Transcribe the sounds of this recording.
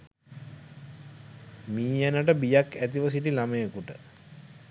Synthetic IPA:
miːænəʈəbijakæt̪iʋəs̬iʈilaməjəkuʈə

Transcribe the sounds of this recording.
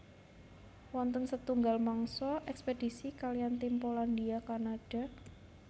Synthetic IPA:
wɔnt̪ənsət̪uŋɡalmaŋsɔʔɛksped̥i̤sikaliant̪impolandiakanaɖ̥a̤

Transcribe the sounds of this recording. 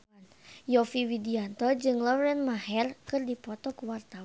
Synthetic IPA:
n | jɔfiwidiant̪ɔd͡ʒɨŋlɔɾɛnmahɛrkɨrdipɔt̪ɔkuwart̪aw

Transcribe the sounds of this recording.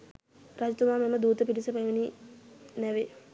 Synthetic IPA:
ɾaːd͡ʑɐt̪ːumaːmemːɐd̪uːt̪ɐpiʈisɐpɐmɐni | nɐʋe

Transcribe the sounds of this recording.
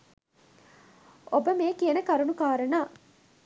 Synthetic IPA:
ʔobɐmeːkienɐkɐɾunukaːɾɐnaː

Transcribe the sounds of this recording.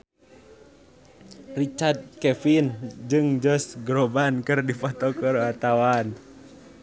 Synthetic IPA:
rit͡ʃard̪̚kɛfind͡ʒɨŋd͡ʒɔsɡɾɔbankɨrdifɔt̪ɔkɔɾoat̪awan

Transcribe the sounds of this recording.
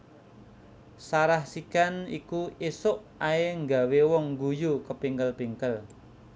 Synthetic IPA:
saɾahsikanḭkuesʊʔ | aeŋɡa̤wewɔŋɡujukəpiŋkəlpiŋkəl

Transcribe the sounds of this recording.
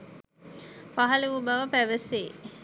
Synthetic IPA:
paɦɐleʋubaʋəpæʋəse

